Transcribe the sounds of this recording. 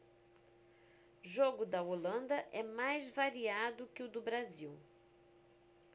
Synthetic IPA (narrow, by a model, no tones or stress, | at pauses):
ʒoɡʊd̪ɐolɐ̃nd̪ɐʔɛmajzvaɾiad̪ʊkɪʊd̪ʊbɾaziw